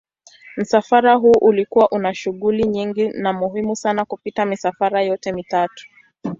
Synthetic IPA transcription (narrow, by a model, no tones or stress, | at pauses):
m̩safaɾaɦuːʔulikuwaʔunaʃuɠuliɲiŋɡinamuɦimusanakupitamisafaɾajɔtɛmitatu̥